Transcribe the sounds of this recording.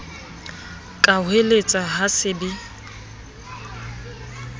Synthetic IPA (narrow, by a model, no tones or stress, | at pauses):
kʼaɦelet͡sʼaɦasɪbɪ